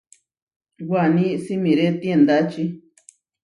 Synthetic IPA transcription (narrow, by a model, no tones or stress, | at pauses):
wʷanĩsimĩɾet̪iẽnd̪at͡ʃi